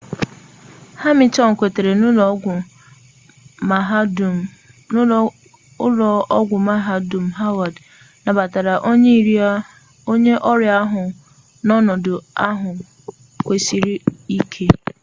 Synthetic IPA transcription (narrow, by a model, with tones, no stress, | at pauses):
ha˦mɪ˨tɔ˦ŋ̩˨kʷe˨te˨ɾe˨n˦˨˦ | ʊ˦lɔ˨ɔ˦ɡʷʊ˨ma˦ɦa˦du˨m̩˨ɦa˦wa˨d | na˨ba˨ta˨ɾa˨ʔo˦ɲe˦i˦ɾi˦a˦ | o˦ɲe˦ʔɔ˦ɾja˦ɦʊ˨ | nɔ˦nɔ˨dʊ˨a˦ɦʊ˨ | kʷe˨si˨ɾi˦i˦kʰe˦